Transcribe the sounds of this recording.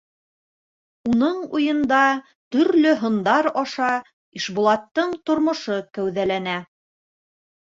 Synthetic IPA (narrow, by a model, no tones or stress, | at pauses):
unɤɴujɤ̆nd̪ɑ | t̪ɵ̆ɾlɵɦŏnd̪ɑɾɑʃɑ | iʃbulˠɑt̪ːɤɴt̪ŏɾmŏʃɤkæwðælænæ